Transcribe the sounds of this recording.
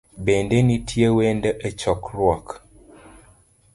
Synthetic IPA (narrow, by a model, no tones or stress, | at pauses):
bendenitʰjewendəʔet͡ʃɔkɾwɔk